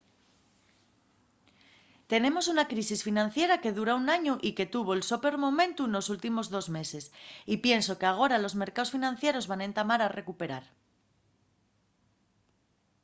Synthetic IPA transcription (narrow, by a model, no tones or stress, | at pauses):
t̪e̞nẽ̞mo̞s̬unakɾisisfinãnθje̞ɾake̞ðuɾaunaɲoʔike̞t̪uβ̞o̞elsope̞ɾmo̞mẽ̞nt̪uno̞sult̪imo̞zðo̞zme̞se̞sipje̞nso̞keaɣ̞o̞ɾalo̞zme̞ɾkao̞sfinãnθje̞ɾo̞zβanẽ̞nt̪amaɾare̞kupe̞ɾaɾ